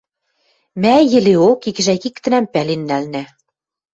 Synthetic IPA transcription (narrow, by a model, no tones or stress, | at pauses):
mæjɘ̆leokikɘ̆ʒækikt̪ɘ̆næmpælenːælnæ